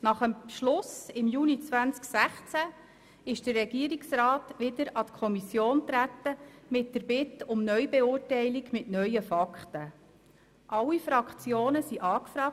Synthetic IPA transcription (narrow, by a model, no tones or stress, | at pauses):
nɑχəmʃlʊsɪmjuːnit͡svænt͡sksæχt͡sæ | ɪʃd̥ərːɛɡiəɾiksrɑːtʋɪdəɾɑt̪kʰɔmisjoːnt̪ɾæt̪ːəmɪt̚dəɾbɪt̪ʊmnœʏbeʊːɾtɛɪliɡmɪtnœʏəfɑkχtə | ʔɑlːifɾɑkt͡sjoːnəsiʔɑːkfɾɑːk̚